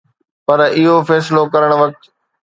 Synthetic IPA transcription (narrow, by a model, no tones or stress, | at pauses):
pɐɾɪɦofɛːslokɐɾəɽ̃ʋɐk̚t̪